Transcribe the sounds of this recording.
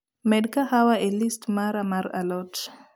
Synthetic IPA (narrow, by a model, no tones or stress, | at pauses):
mɛɗkahawaelistmaɾamaɾa̰lɔt